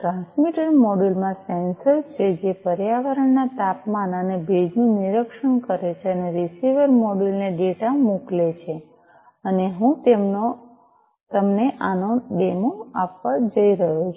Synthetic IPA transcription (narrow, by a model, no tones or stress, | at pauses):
ʈɾãnsmiʈəɾmoɽulmãsensəɾt͡ʃʰed͡ʒepəɾjaʋəɾəɳːat̪apmanənebʱed͡ʒnũniɾəkʃəɳkəɾet͡ʃʰeəneɾisiʋəɾmoɖulneɖeʈamuklet͡ʃʰe | əneɦũt̪emno | t̪əmneʔanoɖemoapʋãd͡ʒəiɾəɦut͡ʃʰ